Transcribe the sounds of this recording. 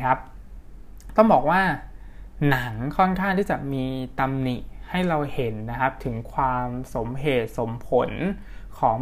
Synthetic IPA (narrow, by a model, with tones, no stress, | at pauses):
a˦˥p̚ | t̪ɔ˥˩ŋbɔː˨˩k̚waː˥˩ | na˩˦ŋkʰɔ˥˩nkʰa˥˩nt̪ʰiː˥˩t͡ɕa˨˩miː˧t̪a˧mni˨˩ha˥˩jɾa˧whe˩˦nːa˦˥kʰa˦˥p̚t̪ʰɯ˩˦ŋkʰwaː˧mso˩˦mɦeː˨˩t̪̚so˩˦mpʰo˩˦n | kʰɔː˩˦ŋ